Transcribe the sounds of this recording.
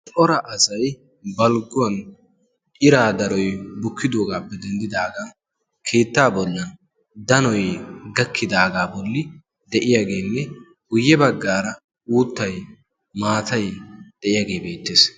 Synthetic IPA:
t͡ʃʼɔɾɐʔɐsɐj | bɐlɡʊɐn | ʔɪɾaːd̪ɐɾɔjbʊkʰːɪd̪oːɡaːpːɛd̪ɛnd̪ɪd̪aːɡaː | kʰe̞ːt̪ːaːbɔlːɐn | d̪ɐnɔjɡɐkːɪd̪aːɡaːbɔlːɪ | d̪ɛʔɪjaːɡe̞ːnːɛ | ɡʊjːɛbɐɡːaːɾɐ | uːt̪ːɐj | maːt̪ɐjd̪̥ɛʔɪjaːɡeːbe̞ːt̪ːe̞ːs

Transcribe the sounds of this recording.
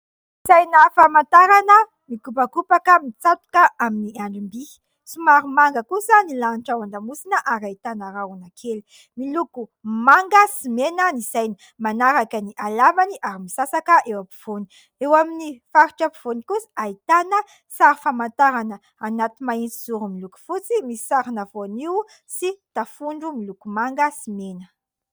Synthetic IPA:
sajnəfamant̪aɾanə | mikupakupakəmit͡sat̪u̥kəaminiaɳɖ͡ʐimbi | sumaɾumaŋɡəkusənilaniʈ͡ʂawaɳɖ͡ʐamusinəʔaɾait̪anaɾawanakʰeli | milukumaŋɡəsimenənizajni | manaɾakəniʔalavaniʔaɾimisasakəʔewapu̥v̥oni̥ | ewaminifaɾiʈ͡ʂapiv̥onikusḁait̪anə | saɾifamant̪aɾanə | anat̪imaint͡siz̥uɾumiluku̥fut͡simisi̥saɾinavoniw | sit̪afuɳɖ͡ʐumilukumaŋɡəsimenə

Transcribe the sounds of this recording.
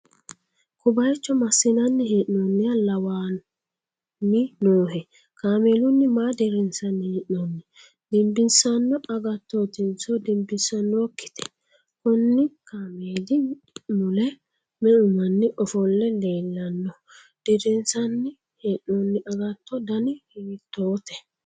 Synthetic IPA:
kʊbɐjɛt͡ʃːɔmɐsːɪnɐnːɪheːʔnɔnːɪjalɐwaː | nːɪnoːɦɛ | kaːmeːlʊnːɪmaːd̪ɛɾɪnsɐnieʔnɔnːɪ | d̪ɪmbɪnsɐnːɔɐɡɐt̪ːɔt̪ɪnsɔd̪ɪmbɪnsɐnːɔkːɪ̥t̪ʰɛ̥ | kʊnːɪkaːmeːd̪ɪ | mʊlɛ | mɛʊmɐnːɪʔɔfɔlːɛle̞ːlːɐnːɔ | d̪̥ɛɾɪnsɐnːɪ | heːʔnɔnːɪʔɐɡɐt̪ːɔd̪ɐnɪhiːt̪ːoːt̪ɛ

